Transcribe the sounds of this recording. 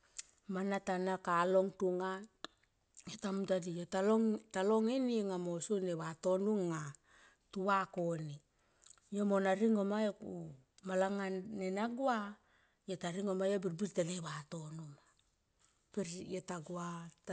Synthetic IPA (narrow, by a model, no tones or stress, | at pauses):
manatanakalo̞ŋtuŋa | jotamutadijotalotalo̞ŋeniŋamosuneβato̞nuŋːa | tuβako̞ni | jomo̞naɾiŋo̞maeku | malaŋanenaɡua | jotaɾiŋo̞majobiɾbiɾtaleβato̞numa | peɾjotaɡua